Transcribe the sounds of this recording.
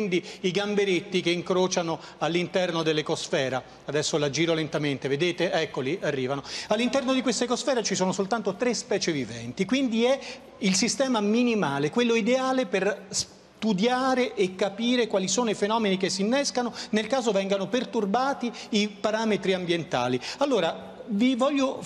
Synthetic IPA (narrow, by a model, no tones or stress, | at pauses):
ind̪iiɡambeɾet̪ːikeiŋkɾoːt͡ʃano | alːint̪ɛrnod̪elːekosfɛːɾa | ad̪ɛsːolad͡ʒiːɾolent̪ament̪eved̪eːt̪eʔɛkːoliʔarːiːvanoalːint̪ɛrnod̪ikwest̪aikosfɛːɾat͡ʃisoːnosolt̪ant̪ot̪ɾespɛːt͡ʃevivɛ̰nt̪ikwind̪iɛ | ilsist̪ɛːmaminimaːlekwelːoid̪eaːlepers | t̪ud̪jaːɾeʔekːapiːɾekwalisoːnoifenɔːmenikesːinːɛskanonelkaːzovɛŋɡanopert̪urbaːt̪iipaɾaːmet̪ɾiambjent̪a̰ːlialːoːɾa | vivɔʎːo